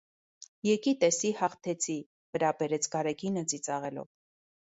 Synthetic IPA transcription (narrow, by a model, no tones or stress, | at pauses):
jɛkit̪ɛsihɑχt̪ʰɛt͡sʰi | vəɾɑbɛɾɛt͡sʰɡɑɾɛɡʰinəd͡zit͡sɑʁɛlɔ̰v